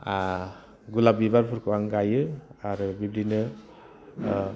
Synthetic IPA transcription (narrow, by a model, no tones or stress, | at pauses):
a | ɡulabibaɾpʰuɾkʰɯwaŋɡajɯaɾɯbibɾinɯ